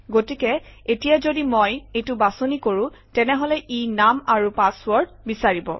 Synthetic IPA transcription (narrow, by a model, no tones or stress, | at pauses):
ɡotikɛetijazodimojejtʊbasonikoɹũ | tɛnɛɦɔlɛʔinamaɹupaswɔɹd̚ | bisaɹibɔ̰